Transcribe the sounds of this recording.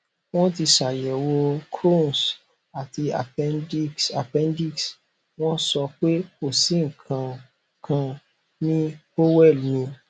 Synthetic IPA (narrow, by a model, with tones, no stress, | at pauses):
w̃ɔ̃˦ti˧ʃa˨jɛ˨wo˧kɾo˦˨n˨s | a˨ti˧a̰˨pɛ˦da˨pɛ̃˧˦ndi˦˨ks | w̃ɔ̃˦sɔ˧k͡pe˦ko˦˨sĩ˨˦ŋ̩˨kʰã˧ | kʰã˧ | nĩ˦ | o˦wɛ˦˨lmĩ˧